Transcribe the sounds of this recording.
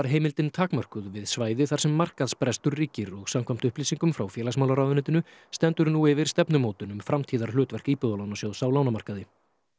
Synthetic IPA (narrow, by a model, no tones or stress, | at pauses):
aɾ̥ɦeːjmɪlt̪ɪnt̪ʰaːkmar̥kʏðvɪðsvaːjðɪθaɾ̥sɛmːar̥kaðspɾɛst̪ʏɾːiːcɪɾɔɣsamkʰvam̥t̪ʏhpliːsiŋkʏmfɾawfjɛːlasmawlaɾaːwðʏnɪːt̪ɪnʏst̪ɛnt̪ʏɾnuɪvɪɾ̥st̪ɛpnʏmoːwt̪ʏnʏmfɾamt̪ʰiːðaɾ̥lʏːt̪vɛr̥kiːpʏðalawnasjowðsawlaːwnamar̥kaðɪ